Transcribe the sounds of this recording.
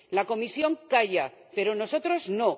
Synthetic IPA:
lako̞misjo̞ŋkaʝape̞ɾo̞no̞so̞t̪ɾo̞zno

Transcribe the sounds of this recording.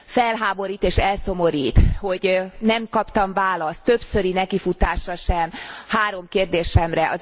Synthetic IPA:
fɛlɦaːbo̞ɾiːt̪eːʃɛlso̞mo̞ɾiːt̪ho̞ɟnɛmkɒpt̪ɒmvaːlɒst̪ːø̞psø̞ɾinɛkifut̪aːʃɒʃɛmhaːɾo̞mkeːrd̪eːʃɛmrɛʔɒz

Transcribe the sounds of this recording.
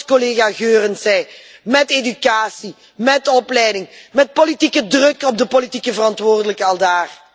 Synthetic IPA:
koleːɣaɣøːrənsɛj | mɛtedykaːsi | mɛtɔplɛjdɪŋmɛt̚politikədrɵkɔb̚dəpolitikəvərɑntʋoːrdələkəɑlˠdaːr

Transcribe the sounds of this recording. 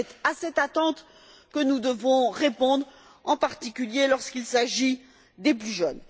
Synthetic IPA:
ɛt̪asɛt̪at̪ɑ̃t̪ | kənud̪əvɔ̃ʁepɔ̃d̪ʁ | ɑ̃paʁt̪ikʲyljelɔʁskʲilsaʒi | d̪eplyʒœn

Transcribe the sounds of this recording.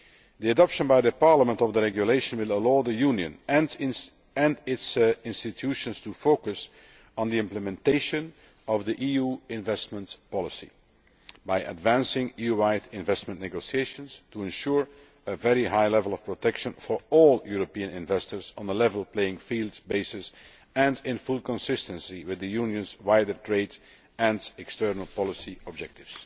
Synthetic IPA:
d̪iədɑpʃə̃nbaɪd̪əpɑɹləmə̃ntɔvd̪əɹɛɡjuleɪʃə̃nwɪlˠəloʊd̪əjunjə̰̃n | ɛ̃ndɪtsɪ̃nstɪtʰuʃə̃nstufoʊkəs | n̩diɪ̃mpləmɛ̃nteɪʃə̃n | ɔvd̪iʔijuːɪ̃ɱvɛstmə̃ntpɑlˠəsḭ | baɪʔə̰dvæ̃nsɪ̃ŋijuɹaɪtɪ̃ɱvɛstmə̃nnɛɡosieɪʃə̃nstuɛ̃nʃuːɹ | əvɛɹiɦaɪlɛvəl̩ˠɔfpɹotʰɛkʃə̃nfɔɹɔlˠjuɹopiə̃nɪ̃nvɛstə˞zɔ̃n̩əlɛvəl̩ˠpleɪɪ̃ŋfiːlˠdzbeɪsɪs | ɛ̃ndɪ̃nfʊlˠkə̃nsɪstə̃nsiwɪðəjunjə̃nzwaɪdə˞tʰɹeɪd | ɛ̃ndɛkstɜɹnəlˠpɑlˠɪsiɔb̚d͡ʒɛk̚tɪvs

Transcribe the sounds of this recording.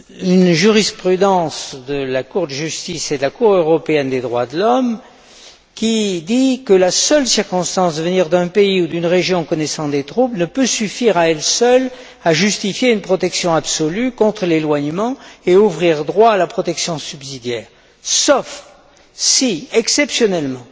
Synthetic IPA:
ynʒyʁispχyd̪ɑ̃sd̪əlakuʁd̪əʒyst̪ised̪əlakuʁøʁɔpeɛnd̪ed̪ʁwad̪əlɔm | kʲid̪ikəlasœlsiʁkɔ̃st̪ɑ̃sd̪əvəniʁd̪ɛ̃peiud̪ynʁeʒjɔ̃kɔnɛsɑ̃d̪et̪χublnəpøsyfiʁaɛlsœl | aʒyst̪ifjeynpχɔt̪ɛksjɔ̃absɔlykɔ̃t̪χəlelwaɲmɑ̃euvʁiʁd̪ʁwaːlapχɔt̪ɛksjɔ̃sybsid̪jɛːʁ | sɔf | siɛksɛpsjɔnɛlmɑ̃

